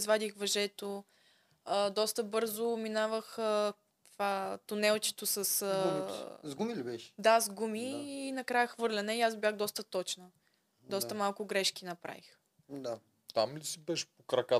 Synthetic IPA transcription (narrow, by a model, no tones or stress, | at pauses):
zvad̪ixvɐʒɛt̪o | əd̪ɔst̪əbɤɾzʊminavəxə | t̪vat̪ʊnɛlˠt͡ʃɛ̥t̪osəsəzɡumilibɛʃd̪azɡumiːnɐkɾajəxvɤɾlʲɐnɛiazbʲjaɣd̪ɔst̪ət̪ɔt͡ʃnə | d̪ɔst̪əmalˠkʊɡɾɛʃkinɐpɾa̰vix | d̪a | t̪amlisibɛʃɛ̥pokɾɐka